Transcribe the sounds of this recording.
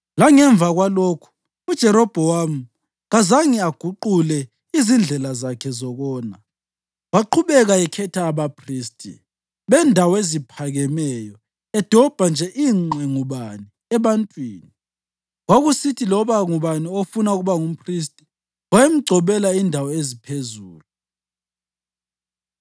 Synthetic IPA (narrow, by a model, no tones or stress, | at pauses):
laŋɛɱb̪vʱaɣwaloːkʰu̥ | ud̥ʒ̥ʱɛɾɔb̥ʱɔwam̩ | ɣazaŋiaɡ̥ʱuǃulɛ | izind͡ɮʱɛlazakʰɛzɔɣɔːna | waǃʰuβɛɣaɛkʰɛtʰaːβapʰriːstʼḭ | βɛndʱawɔezipʰaɣɛmɛjɔ | ɛd̥ʱɔb̥ʱand͡ʒʱɛʔiːŋ͡ǃɛŋuβani | ɛβantʼwiːni | waɣusitʰilɔβaŋuβaniofunauɣuβaŋum̩pʰristʼi̥ | wajem̩ɡ͡ǀʱɔβɛlaindʱawɔezipʰezuːlu